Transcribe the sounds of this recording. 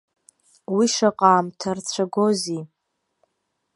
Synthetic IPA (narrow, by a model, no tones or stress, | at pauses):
wiʂaqʼaːmtʰart͡ɕʷʰaɡozi